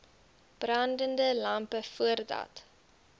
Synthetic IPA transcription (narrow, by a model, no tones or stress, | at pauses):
b̥rɑndəndəlɐmpəfuərdɐ̰t